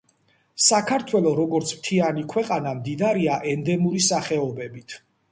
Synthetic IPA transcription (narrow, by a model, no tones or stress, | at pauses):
sakʰaɾt̪ʰwɛlˠɔɾɔɡɔɾt̪sʰmt̪ʰianikʰwɛqʼanamd̪id̪aɾiaʔɛnd̪ɛmuɾisaχɛɔbɛbit̪ʰ